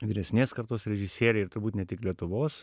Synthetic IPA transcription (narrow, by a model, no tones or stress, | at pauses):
ʋʲɪɾʲɛsʲnʲeːskɐɾt̪oːsɾʲɛʒʲɪsʲeːɾʲɛɪɪɾt̪ʊɾbuːt̪nʲɛt̪ʲɪklʲiɛt̪ʊʋoːs